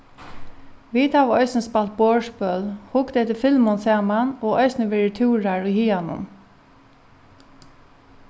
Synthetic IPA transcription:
ʋit̪haʋɔʏsnspalt̪̚boːʂpœlhʊkt̪ɛht̪ɪfɪlmʊnsaːmanɔːɔjsnəʋɛːɹɪt̪ʰuːɹaɹʊjhiːanʊ̰m

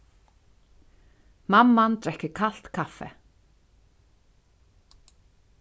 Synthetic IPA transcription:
mamːant̪ɾɛhcɪkʰal̥t̪kʰafːɛ̰

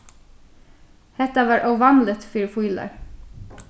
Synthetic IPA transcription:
hɛt̪ɑʋɑːɹʔɔʋɑnlət̪fyːɾfiːlə̰ɹ

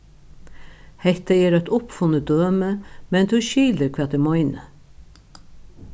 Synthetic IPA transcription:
hɛht̪əeːɾæt̪ʊpfʊnəd̪øːməmɛnt̪ʰʉʃiːləɾkʰvɛːt̪d̪ɪmɔʏnə

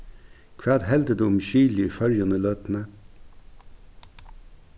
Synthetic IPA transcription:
kʰʋæːd̪hɛld̪əd̪ʉːmçyːlɪfœɾjɑnəløːt̪n̩ə

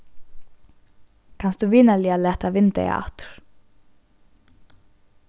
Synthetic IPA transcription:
kʰanst̪uviːnalialɛːht̪avɪnt̪ɛ̰a̰ht̪ɾ̥

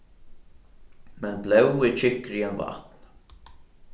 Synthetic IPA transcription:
mɛnplɛwɪt͡ʃʰɪhkɾiɛnva̰ht̪n

